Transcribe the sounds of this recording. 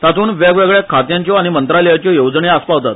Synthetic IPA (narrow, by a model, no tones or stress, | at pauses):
sat̪uːnʋjaɡʋeɡɭjakʰat̪jãɲt͡ɕjɔaɽ̃imənt̪ɾaləjat͡ɕjɔjowd͡zɳeaspaʋt̪at̪